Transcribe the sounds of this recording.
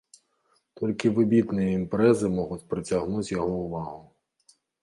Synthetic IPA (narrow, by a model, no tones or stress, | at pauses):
t̪ɔlʲkɪʋɪbʲit̪nɨjiimpɾɛzɪmɔɦʊtʲpɾɪt͡sʲɐɦnuzʲjɔɦɔʊʋɑɦʊ